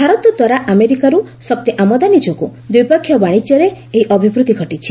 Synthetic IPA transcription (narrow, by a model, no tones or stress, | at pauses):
bʱaɾɔt̪ɔd̪waɾaʔameɾikaɾu | sɔkt̪iʔamɔd̪anid͡ʒɔkud̪wipɔkʰːjɔbaɽ̃it͡ʃjɔɾe | eɦiʔɔbʱibɾut̪iɡʱɔʈit͡ʃʰi̥